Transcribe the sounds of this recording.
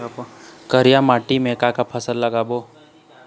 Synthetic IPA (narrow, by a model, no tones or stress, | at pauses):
kəɾijamaːʈimẽkakapʰəsəlːəɡaːboː